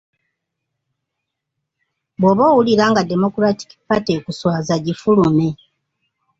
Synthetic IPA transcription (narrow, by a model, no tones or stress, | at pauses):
bwoβo̞ːwuliɾaːŋɡade̞mo̞kuɾati̥ki̥pateːkuswaːzaɟifulume̞